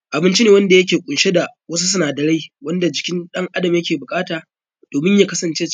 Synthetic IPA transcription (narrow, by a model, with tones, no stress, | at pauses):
ʔa˨bɪ˦nt͡ʃi˦neː˨wɐ˦nda˨jɐ˦kʲeː˨kʷʼʊ˨nʃe˦da˨wɐ˦s̬u˦s̬ʊ˦naː˨dɐ˨ɽa˦jwɐ˦nda˨d͡ʒɪ˨kʲɪ˦nɗɐ˦ŋʔa˦dɐ˨mjɐ˦kʲeː˨bʊ˨kʼaː˦taː˨ | d̥oː˨mɪ˦ɲja˨kɐ˦sɐ˨nt͡ʃeː˦